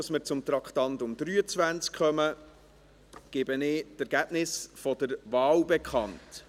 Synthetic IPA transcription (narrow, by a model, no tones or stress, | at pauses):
smɪɾt͡sʊmt̪ɾɑkχtɑntʊmd̥̪ɾyːət͡sʋænt͡skχœmə | ɡ̥ɪbənɪːtɛɾɡ̥æb̥nɪsfɔdəɾʋɑːwbɛkʰχɑnt